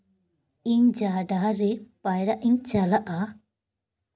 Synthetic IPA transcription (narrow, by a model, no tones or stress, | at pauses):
iɲd͡ʒaːɖaːɾepɐjɾaʔiɲt͡ʃɐlaʔa